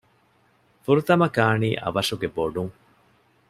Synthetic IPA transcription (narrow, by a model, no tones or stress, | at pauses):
fuɾut̪ɐmɐkaːniːʔɐ̰ʋɐʂuɡeboɖuŋ